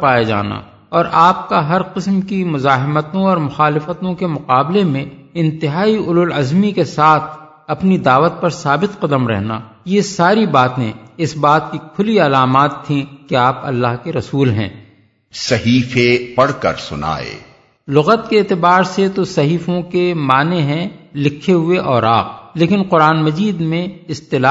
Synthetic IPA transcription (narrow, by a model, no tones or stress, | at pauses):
paːjed͡ʒa̰ːna̰ | ɔːɾʔaːp̚kaɦɐɾqɪsmkimʊzaːɦɪmət̪õɔːɾmʊxaːlɪfət̪õkemʊqaːblemẽ | ɪ̃nt̪ɪɦaːiʊlʊlɐzmikesaːt̪ʰ | ɐpnid̪aːʋət̪̚pɐɾsaːbɪt̪qɐd̪əmɾɛ̰ɦna̰ | jesaːɾibaːt̪ẽɪsbaːt̪̚kikʰʊliɐlaːmaːt̪ʰːĩkeaːpɐ̰lːaːɦkeɾɐsuːlɦɛ̰̃ː | sɐɦiːfepɐɽkə̰ɾsʊna̰ːḛː | lʊɣət̪keeːt̪ɪbaːɾset̪osɐɦiːfõkemaːneɦɛ̃lɪkʰːeɦʊeʔɔːɾaːq̚leːkɪnqʊɾaːnmɐd͡ʒiːd̪mẽɪst̪ɪla